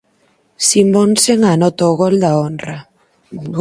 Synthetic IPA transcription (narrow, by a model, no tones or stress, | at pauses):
simbonseŋanɔt̪ooɣold̪aonra